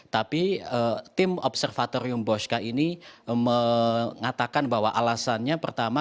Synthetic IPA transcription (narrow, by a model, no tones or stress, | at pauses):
t̪apiət̪ɪmɔpsərfat̪oɾiʊmbɔʃkainiməŋat̪akanbaɦwaʔalasanɲapərt̪ama